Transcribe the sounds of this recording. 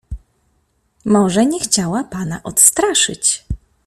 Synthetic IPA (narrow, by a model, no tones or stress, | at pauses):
mɔʐɛɲɛxt͡ɕawapana̰ʔɔt̪st̪ɾaʂɘ̰t͡ɕ